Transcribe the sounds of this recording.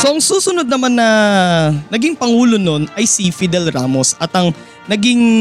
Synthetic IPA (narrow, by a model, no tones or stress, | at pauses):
so̞ʔɐŋsuːsʊnod̪̚nɐmanːɐ | nɐɡiŋpɐŋuːlo̞no̞nʔɐjsifɪd̪ɛlɾaːmo̞sɐt̪ɐŋ | nɐɡɪŋ